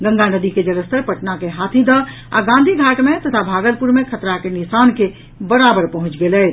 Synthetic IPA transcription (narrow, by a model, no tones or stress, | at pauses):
ɡə̃ŋɡanəd̪iked͡ʒələst̪əɾpəʈnakeɦat̪ʰid̪ə | a̰ɡãnd̪ʱiɡʱaʈmet̪ət̪ʰabʱaɡəlpuɾmekʰət̪ɾakenisanke | bəɾabəɾpəɦũt͡ʃɡelɛt̪